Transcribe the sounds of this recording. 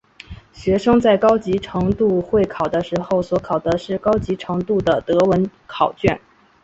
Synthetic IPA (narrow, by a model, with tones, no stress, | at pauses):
ɕɥɛ˧˥ʂɤ˥ŋt͡sa˥˩ɪkɑ˥ʊt͡ɕi˧˥ʈ͡ʂʰɤ˧˥ŋt̪u˥˧xwe˥˩ɪkʰɑ˨˩ʊd̪ə˦ʂɻ̩˧˥xo˥˧˩ʊswɔ˧˥kʰɑ˨˩ʊd̪ə˧˦ʂɻ̩˥˩kɑ˥ʊt͡ɕi˧˥ʈ͡ʂʰɤ˧˥ŋt̪u˥˩d̪ə˩t̪ɤ˧˥wə˧˥nkʰɑ˨˩ʊt͡ɕɥɛ˥˩n